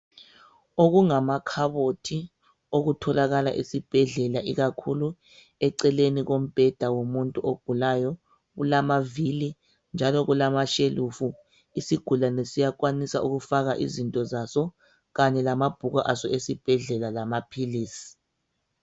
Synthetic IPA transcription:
oɣuŋamakʰaβotʰi | oɣutʰɔlaɣala̰ʔisib̥ʱɛɮɛlaʔiɣakʰulu | ɛǀɛleniɣom̩b̥ʱɛd̥ʱawomuntʼuʔoɡ̥ʱulajɔ | ɣṵlamavili | nd͡ʒʱalɔɣulamaʃelufu | isiɡ̥ʱulanɛsijak̬ʼwanisauɣufaɣaʔḭzintʼɔzasɔ | ɣaɲɛlamab̥ʱuɣaʔasɔesib̥ʱɛɮɛlalamapʰiliːsi̥

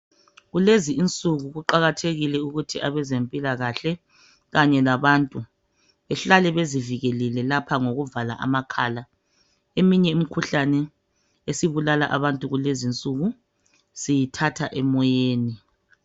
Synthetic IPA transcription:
ɣuleziːnt͡sʼuɣuɣuǃaɣatʰeɣilɛuɣutʰiʔaβɛzempʼilaɣaɬɛ | ɣaɲɛlaβantʼu | ɛɬalɛβeziviɣɛlɛlɛlapʰaŋoɣuvala̰ʔa̰makʰaːla | emiɲɛimikʰuɬanɛ | esiβulalaʔa̰βantʼuɣulezint͡sʼuɣu | sijitʰatʰaʔɛmɔjeːni

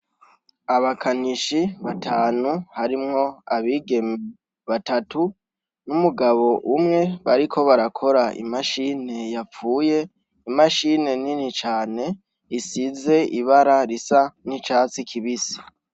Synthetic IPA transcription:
aβakʰaniʃiβatʰaːnuhaɾimŋo̞aβiːɡe̞mi | βatatu | numuɡaβo̞ʔumŋe̞βaɾikʰo̞βaɾakʰo̞ɾaḭmaʃine̞jafuːje̞ | imaʃine̞ninit͡ʃaːne̞ | isize̞ʔiβaɾaɾisanit͡ʃaːt͡sikʰiβisi̥

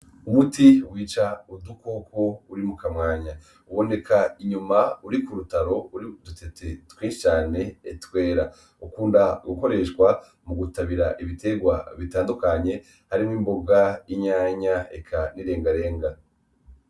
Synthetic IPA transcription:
umutiwiːt͡ʃaudukokʰo̞uɾimukamŋaːɲa | uβo̞ne̞kʰaiɲumauɾikuɾutaɾo̞uɾidutetetwĩːʃi̥t͡ʃaːne̞ːtwe̞ːɾa | ukuːndaɡuko̞ɾe̞ʃkwa | muɡutaβiɾaʔiβite̞ɡwa̰βitaːndukaɲe̞ | haɾimiːmbo̞ɡaiɲaːɲaḛkʰaniɾe̞ːŋɡaɾe̞ːŋɡa

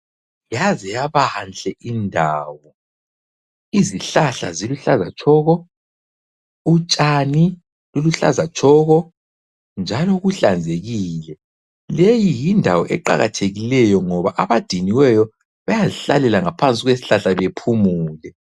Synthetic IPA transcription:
ijazɛjaβant͡ɬʼɛʔindʱaːwɔ | iziɬaɬaziluɬazat͡ʃʰʼɔːɣɔ | ut͡ʃʼani | luluɬa̰zat͡ʃʰʼɔɣɔ | nd͡ʒʱalɔɣuɬand͡zʱeɣiːlɛ | lejijindʱawɔʔɛǃa̰ɣa̰tʰeɣilɛjɔŋɔβaʔaβad̥ʱiniwɛjɔ | βajaziɬa̰lɛlaŋapʰant͡sʼiɣwesi̥ɬaɬaβepʰumuːlɛ

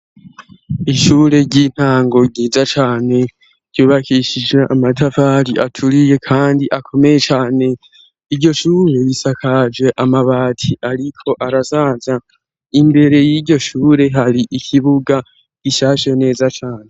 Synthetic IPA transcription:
iʃuːɾe̞ɟiːn̥haːŋɡo̞ɡɟiːzat͡ʃaːne̞ | ɾ̥ɟuːβakiʃid͡ʒwe̞ʔamatʰafaːɾiʔatʰuɾije̞kʰaːndiʔakʰo̞me̞je̞t͡ʃaːne̞ | iɾɟo̞ʃuːɾe̞jisakʰad͡ʒwe̞ʔamaβaːtʰiʔaɾikʰo̞ʔaɾasaːza | imbe̞ɾe̞jiːɾɟo̞ʃuːɾe̞ɦaɾiʔikʰiβuɡa | ɡ̥iʃaːʃene̞ːzat͡ʃaːne̞

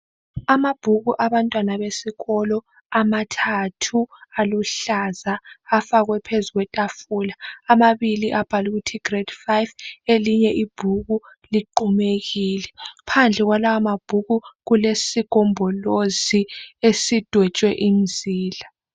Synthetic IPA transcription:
amab̥ʱuɣuʔaβantʼwanaβesiɣɔlɔ | amatʰatʰualuɬazaːfaɣwɛpʰezuɣwɛtʼafuːlaːmaβiliʔab̥ʱaluɣutʰiɡ̥red̥fajveliɲɛʔib̥ʱuɣu | liǃumeɣiːlɛpʰand͡ɮʱɛɣwalawamab̥ʱuɣuɣulesiɡ̥ʱɔmbʱɔloziesid̥ʱwɛt͡ʃʼwɛʔinziːla

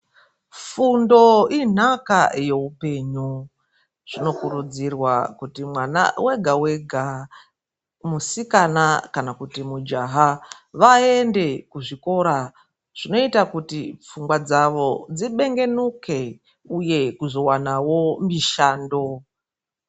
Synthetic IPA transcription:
fundo̞in̤aka̰je̞upe̞ːɲu | ʐ̥ino̞kuɾud͡zirwakutimwana̰weɡʱaweɡʱa | musikanakanakutimud͡ʒaɦaʋaende̞kuʐiko̞ɾa | ʐ̥ino̞itakutip͡fuŋɡwad͡zaʋo̞d͡ziɓe̞ŋɡe̞nuke̞ | uje̞kuzo̞wanawo̞miʃaːndo̞

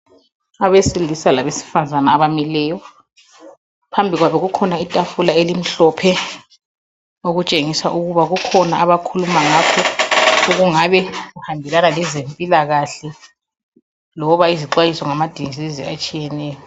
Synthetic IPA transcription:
aβesilisalaβesi̥fazanaːβamilɛːjɔ | pʰambʱiɣwaβɛɣukʰɔnaitʼafulaelim̩ɬɔpʰɛ | oɣut͡ʃʼeŋisaʔuɣuβaɣukʰɔnaʔaβakʰulumaŋakʰɔuɣuŋaβɛɣuhambʱɛlanalɛzempʼilaɣaɬɛ | lɔβaiziǃwajisɔŋamad̥ʱiŋziziat͡ʃʼijɛnɛːjɔ

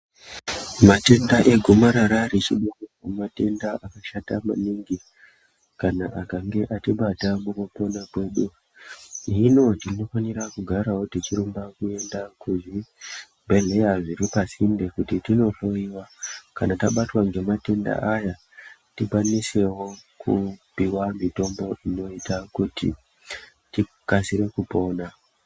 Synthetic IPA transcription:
mate̞ndaʔe̞ɡʱomaɾaɾaɾit͡ʃiɗakakumate̞ndaʔakaʃatama̰niŋɡi | kanaʔakaŋɡe̞ʔatiɓatamukopo̞nakwe̞ɗu | ino̞tino̞fanirakuɡʱaɾawo̞tit͡ʃiɾumbakue̞ndakuʐi | bʱe̞ɮe̞jaʐiɾipasinde̞kutitino̞ɬo̞iwakanataɓatwaŋɡe̞mate̞nda̰ʔaja | tikanise̞wo̞kupiwamito̞mbo̞ʔino̞itakutḭ | ti | kasiɾe̞kupo̞ːna

